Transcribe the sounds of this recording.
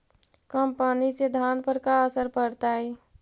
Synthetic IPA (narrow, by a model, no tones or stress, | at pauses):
kəmpənised̪ʱanpəɾkaəsəɾpəɽt̪aj